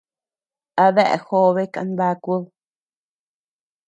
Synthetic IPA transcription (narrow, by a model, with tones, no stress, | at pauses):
a˧βɛ˦ʔxo˦βe˦ka̰˧nba˧ku˦ð